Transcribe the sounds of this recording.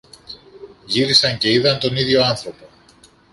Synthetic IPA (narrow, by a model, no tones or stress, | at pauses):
ʝiɾisɐɲce̞iðɐnt̪o̞niðʝo̞ɐnθɾo̞po̞